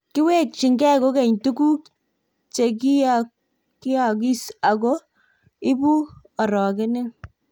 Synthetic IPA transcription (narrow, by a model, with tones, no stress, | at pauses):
kɪ˦we˦k̚t͡ʃɪ˨ŋɡɛ˦˨ko˦kɛ˨ɲtu˦ku˦k | t͡ʃe˨ki˦a | kɪ˦ja˨k̬i˦sa˨ko˦ | ɪ˦bu˦ | a˨ɾɔ˨kɪ˦nɪ˦ŋ